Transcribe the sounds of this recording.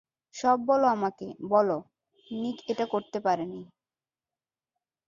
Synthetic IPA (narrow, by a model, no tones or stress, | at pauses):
ʃɔbːɔloamakebɔlo | nikeʈakoɾt̪epaɾeni